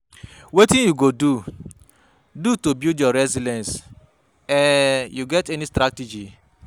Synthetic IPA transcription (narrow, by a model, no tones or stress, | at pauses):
wetĩnjuɡodu | dutobjudjɔɾɛzidɛ̃ns | ɛjuɡɛtɛnistɾatid͡ʒi